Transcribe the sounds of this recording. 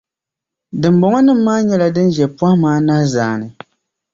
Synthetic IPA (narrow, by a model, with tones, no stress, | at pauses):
dɨ˨mbɔ˨ŋɔ˦nɨ˦m̩ː˦aː˦ɲɛ˦la˨dɨ˦nd͡ʒɛ˨pwa˦maː˦na˦zaː˨˦˨nɨ˨